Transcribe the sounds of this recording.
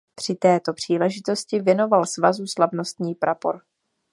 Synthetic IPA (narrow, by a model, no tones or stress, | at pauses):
pr̝̥ɪt̪ɛːt̪o̞pr̝̥iːlɛʒɪt̪o̞scɪvjɛno̞valsvazuslavno̞st̪ɲiːpɾapo̰ɾ